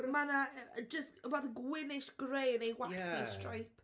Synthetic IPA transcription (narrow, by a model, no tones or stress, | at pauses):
manad͡ʒəstəbaðəɡwɪnɪʃɡ̥reːnejwaθistrajpʰ